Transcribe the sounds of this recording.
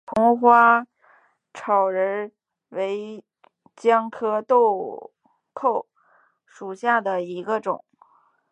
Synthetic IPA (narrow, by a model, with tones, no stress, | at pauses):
pʰʊ˧˥ŋxwa˥ | ʈ͡ʂʰɑ˨˩ʊɻə˧˥n | we˧˥ɪ | t͡ɕjɑ˥ŋkʰɤ˥t̪o˥˧ʊ | kʰo˥˩ʊ | ʂu˨˩ɕja˥˩d̪ə˩i˧˥ɡə˧ʈ͡ʂʊ̰˨˩˦ŋ